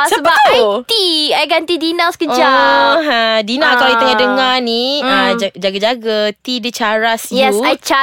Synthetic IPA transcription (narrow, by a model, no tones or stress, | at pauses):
səəbəaat̪iajɡant̪idinãsə̥kəd͡ʒalɦadinakawit̪əŋadəŋaniad͡ʒad͡ʒaɡad͡ʒaɡat̪idət͡ʃaɾasjjɛsajt͡ʃa